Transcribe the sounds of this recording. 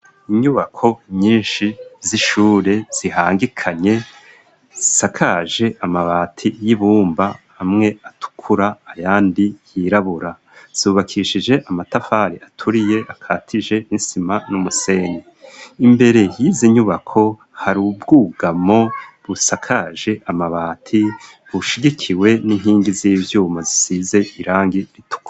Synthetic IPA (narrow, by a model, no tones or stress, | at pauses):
iɲuβakʰo̞ɲiːnʃiziʃuːɾe̞z̥ihaːŋɡikʰaɲe̞ | zisakʰaʒe̞ʔamaβaːtʰijiβuːmbaː | mŋe̞atʰu̥kʰuɾaːjaːndijiɾaβuɾa | z̥uːβakʰiʃid͡ʒe̞ʔamatafaɾiʔatʰuɾije̞ʔakʰaːtʰiʒe̞ninsimanumuse̞neimbe̞ɾe̞jiziɲuβakʰo̞ | haɾubɡuːɡamo̞βusakʰaʒe̞ʔamaβaːtʰi | βuʃiɡikʰiwe̞niŋɦiːŋɡiziːvjuːmazisize̞ʔiɾaːŋɡiɾitu̥ka